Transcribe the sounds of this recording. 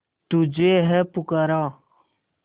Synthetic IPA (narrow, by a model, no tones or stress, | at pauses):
t̪ud͡ʒeːɦɛpʊkəɾãː